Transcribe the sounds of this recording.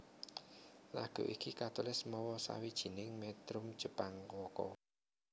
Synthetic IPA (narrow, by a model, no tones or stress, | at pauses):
la̰ɡ̥o̤ʔikikat̪ulɪsmɔwɔsa̰wid̥ʒ̥i̤nɪŋmɛt̪ɾʊm̥ʒ̥əpaŋwɔkɔ̰